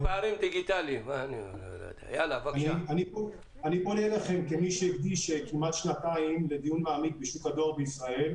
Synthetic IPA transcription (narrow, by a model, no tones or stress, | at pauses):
baːɾimd̪iɡit̪alimanilolo̰jd̪ea̰jalavaanibo | anibonielaχe̞mkemiʃeiɡd̪iʃekimat̪ʃnataimle̞d̪ijunmaːmik̚beʃukad̪o̞ʁbeisʁae̞l